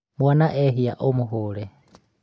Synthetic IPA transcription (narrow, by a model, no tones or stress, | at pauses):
mwanaʔɛɦijaʔomuɦuːlɛ